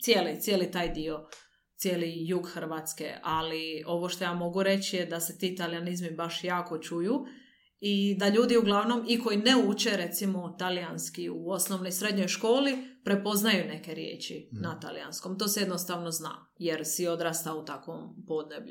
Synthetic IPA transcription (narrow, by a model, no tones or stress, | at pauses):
t̪sjeːlit̪sjeːlit̪aːjd̪io̞ | t̪sjeːlijuːɡxr̩ʋat̪skḛalio̞ʋo̞ʃt̪o̞jaːmo̞ɡuɾe̞t͡ʃijed̪aset̪iːt̪alijanizmibaʃjaːko̞t͡ʃuju | id̪aʎuːd̪iuɡlˠaʋno̞miko̞jineut͡ʃeɾet̪simo̞t̪alijanskiuo̞snoʋno̞jsɾe̞d̪ɲo̞jʃko̞ːlipɾe̞po̞znajune̞ke̞ɾjḛːt͡ʃḭnat̪a̰lḭja̰nsko̞mt̪o̞ːsejed̪nost̪aʋno̞zna̰ː | je̞ɾsio̞d̪ɾaːst̪aut̪akʋompo̞d̪nebʎṵ